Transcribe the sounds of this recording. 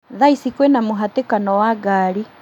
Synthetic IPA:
ðaisikwɛnamoɦatekanɔwaɡaːɾi

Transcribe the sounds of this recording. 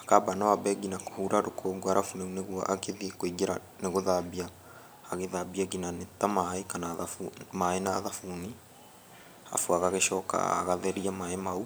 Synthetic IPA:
akabanawabɛɡinako̥huɾaɾokʰoɡɡwaɾʔafuneuneɣwɔ̰ʔakeðiekwiɡeɾa | neɣoðabiaː | ɣeðabiaɡinanetamaekanaðafumaenaðafuni | a̰fuaɣaɣeʃɔːka̰a̰ɣaðɛɾiamaemau

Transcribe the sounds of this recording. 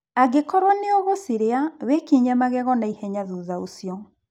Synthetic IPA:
aɡekɔɾwaneoɣosiɾeawekiɲɛmaɣɛɣɔnaihɛɲaðuːðaosijɔ

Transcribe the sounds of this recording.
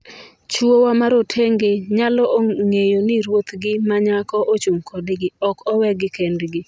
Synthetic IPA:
t͡ʃwowamaɾotʰeŋɡeɲalɔoŋejonɪɾwot̪ɡɪmaɲakɔʔot͡ʃuŋkʰodɡɪɔkɔwɛɡɪkendɡɪ

